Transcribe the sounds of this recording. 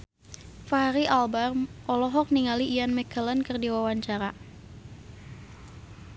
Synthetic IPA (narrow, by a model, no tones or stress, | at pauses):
faɦaɾiʔalbarʔɔlɔɦɔk̚niŋaliʔːjanmɛkələnkɨrdiwawaɲt͡ʃaɾa